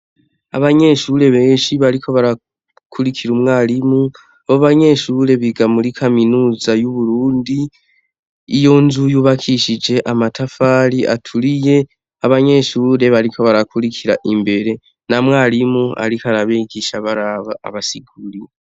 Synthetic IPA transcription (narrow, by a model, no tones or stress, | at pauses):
a̰βaɲe̞ːʃuɾe̞βe̞ːʃiβaɾikʰo̞βaɾa | kʰuɾikʰiɾumŋaːlimu | aβoβaɲe̞ʃuɾe̞βiɡamuɾikʰaminuːzajuβuɾuːndi | jo̞nzujuːβakʰiʃid͡ʒe̞ʔamatʰafaːɾiʔa̰tʰulije̞ | aβaɲe̞ːʃuːɾe̞βaɾikʰo̞βaɾakʰuɾikʰiɾaʔimbe̞ɾe̞ | namwaːlimua̰ɾikʰaɾaβeɡiʃaβaɾaβa̰ːβasiɡuɾi